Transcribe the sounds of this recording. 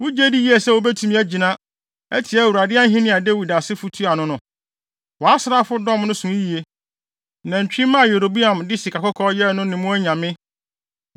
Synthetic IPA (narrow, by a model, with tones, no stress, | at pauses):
wʊ˦d͡ʑe˦di˦ji˦ɛ˨sɛ˦wo˨bæ˦tʰu˨mĩ˦æ˦d͡ʑi˨nã˦ | ɛ̰˦tʰɪ˨ɛ˦æ˨wu˨ɾa˨dɪ˦a˦n˦ɦĩ˦nɪ̃˨a˨de˦wi˨da˨sɪ˦fu˦tʰu˦a˨nʊ̃˦nʊ̃˨ | wɔ˨a˦sɪ˦ɾa˦fʊ˦dɔ̃˦mnʊ̃˦sũ˨i˦ji˨e˦ | nã˨ɲ̩˨t͡ɕᶣi˦mã˦a˨je˨ɾo˨bi˦ã˨mdɪ˦si˨kʰa˨kɔ˦kʰɔː˦jɛ˦nʊ̃˦nɪ̃˨mʊ̃˦æ˦ɲã˨mɪ̃˦